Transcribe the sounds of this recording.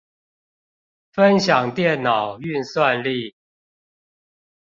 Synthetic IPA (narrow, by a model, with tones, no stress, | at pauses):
fə˦nɕjɑ˨˩ŋt̪jɛ˥˨nːɑ˨˩ʊy˥˨nswa˥˧˨nli˥˨